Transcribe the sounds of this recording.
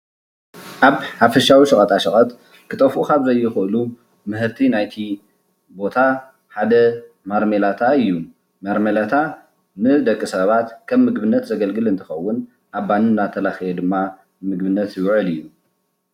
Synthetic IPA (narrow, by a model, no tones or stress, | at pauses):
ʔaβħafɐʃawiʃɨkʼɐt̪ʼaʃɨkʼɐt̪ | kʰɨt̪ʼɐfʔukaβzɐjːɛxɨʔɨlu | mɨhɨɾt̪ʰinajt̪ʰi | bo̞t̪ʰa | ħad̪ɐ | maɾmelat̪ʰaɨjːu | mɐɾmɐlat̪ʰa | nɨd̪ɐkʼːisɐβat̪kʰɐmːɨɡbɨnːɐt̪zɐɡɐlɡɨlɨnt̪ʰɨ̥xɐwːʊn | ʔaβːanɨnːat̪ʰɐlaxijɛd̪ɨmːa | mɨɡbɨnːɐt̪jɪwʕɨlɨjːu